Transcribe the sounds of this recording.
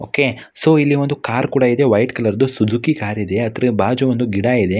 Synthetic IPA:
oːke̞ | soːilːiʋond̪ukaːɾkuːɽɐid̪eʋɐjʈkɐlɐɾd̪usud͡ʒukikaːɾid̪e̞ɐt̪ɾebaːd͡ʒuʋond̪uɡiɽaid̪e

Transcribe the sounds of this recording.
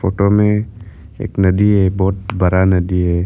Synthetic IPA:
foːʈomẽ | ḛːknɐd̪iɦɛbɔːt̪̚bɐɾanɐd̪iɦɛː

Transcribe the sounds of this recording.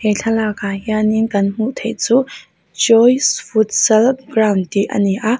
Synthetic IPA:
hɛjɬʰɐlakajaninkɐnm̥uʔt̪ʰejt͡su | d͡ʒɔjsfut̪̚sɛlp̚ɡrawndiʔɐ̰niʔa

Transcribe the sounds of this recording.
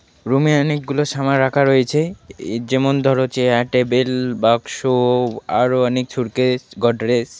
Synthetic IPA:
ɾumianikɡuloʃamaɾakʰaɾojet͡ɕʰed͡ʑɛmond̪ʱɔɾot͡ɕeaʈebelbakʃoaɾoanik̚t͡ɕʰuɾkesɡɔɖɾes

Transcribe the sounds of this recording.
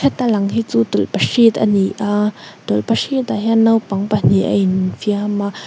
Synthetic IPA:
kʰɛt̪ːalaŋɦit͡sut̪ulpaʂit̪a̰n̥iʔat̪ulpaʂit̪aɦjanawpaŋpan̥iʔa̰infiama

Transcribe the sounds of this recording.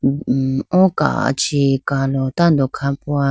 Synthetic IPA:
oka̰t͡ʃikalot̪and̪okʰãpoa

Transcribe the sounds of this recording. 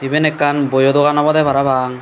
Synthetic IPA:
ibenɛkːanbojod̪ɔɣanɔbɔd̪ɛbaɾabaŋ

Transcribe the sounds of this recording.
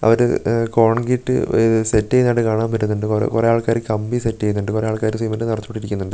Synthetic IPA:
ɐ̰ʋɐɾɨ̰ko̞ːɳɡiʈːɨ̰setːejnːaɽɨkaːɳaːmpɐɾːunːuɳɖɨkr̰kurejaːɭkaːɾɨkɐmbisetːejunːuɳɖɨkurejaːɭkaːɾɨsiːmɐnːɨnɐrɐt̪t͡ɕːu̥pːe̥ʈːiɾikʲːunːuɳɖɨ

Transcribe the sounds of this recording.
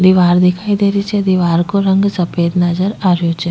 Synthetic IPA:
d̪iʋaːɾd̪ɪkʰaːid̪eːɾit͡ʃɛd̪iʋaːɾkoɾə̃ŋɡsɐpeːd̪nad͡ʒəɾaːɾjot͡ʃɛ

